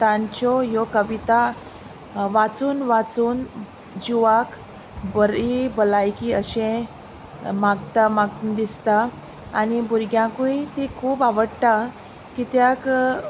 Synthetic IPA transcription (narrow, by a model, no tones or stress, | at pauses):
t̪ãɲt͡ɕɔjɔkəʋit̪a | ʋat͡suːnʋat͡suːn | d͡ʑuʋak | bəɾibəlajkiəɕẽ | maɡt̪amaɡt̪d̪ist̪aː | nibuɾɡjãkujt̪ikʰuːbaʋəɽt̪a | kit̪jak